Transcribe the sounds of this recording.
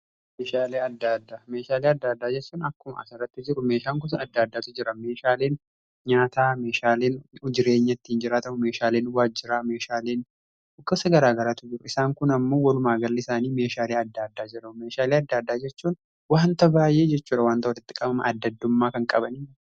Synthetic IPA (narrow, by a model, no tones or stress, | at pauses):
meːʃaːleːɐd̪ːad̪ːaːmeːʃaːleːɐd̪ːaːd̪ːaːd͡ʒɛt͡ʃːuːnɐkːʊmɐʔɐ̰sɐrɐt̪ːɪd͡ʒɪɾʊme̞ːʃaːŋk̬ʊs̬ɐɐd̪ːaːd̪ːaːt̪ʊd͡ʒɪɾɐme̞ːʃaːleːn | ɲaːt̪aːme̞ːʃaːleːnʊd͡ʒɪɾe̞ːɲːɐt̪ːɪhɪnd͡ʒɪɾaːt̪ɐmʊme̞ːʃaːleːnwaːd͡ʒːɪɾaːme̞ːʃaːleːn | ʊɡɐsɐɡɐɾaːɡɐɾaːt̪ʊd͡ʒɪɾʊɪsaːŋkʊnɐmːo̞ːwɐlʊmaːɡɐlːɪsaːniːme̞ːʃaːleːɐd̪ːaːd̪ːaːd͡ʒɪɾɐʊmeːʃaːleːɐd̪ːaːd̪ːaːd͡ʒɛt͡ʃːuːn | waːnt̪ɐbaːjʔe̞ːd͡ʒɛt͡ʃːuːᶑɐwaːnt̪ɐʊt̪ɪt̪ʼːɪ̥kʼːɐmɐmɐ̰ʔɐd̪ːɐd̪ːʊmːaːkɐŋkʼɐbɐni